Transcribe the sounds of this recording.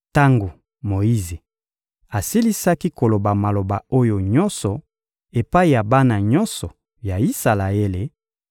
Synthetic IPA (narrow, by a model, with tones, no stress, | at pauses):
ta˦ŋɡo˨ | mo˨i˦ze˨ | a˨si˦li˦sa˦ki˦ko˨lo˨ba˨ma˨lo˨ba˨o˦jo˨ɲɔ˦nsɔ˨ | e˨pa˦i˨ja˨ba˦na˨ɲɔ˦nsɔ˨ | ja˨i˦sa˨la˨e˦le˨